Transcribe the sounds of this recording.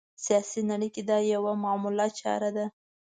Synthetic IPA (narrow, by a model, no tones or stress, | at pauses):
sijɑsinaɽiked̪ɑjawamamulɑt͡ʃɑ̰ɾad̪a